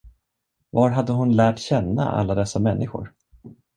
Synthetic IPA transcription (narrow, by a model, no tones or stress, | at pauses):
vaɾɦad̪ːəɦʊnlæːʈɕɛnːa̰ʔa̰lːad̪ɛsːamɛnːʔɪɧʊ̰ɾ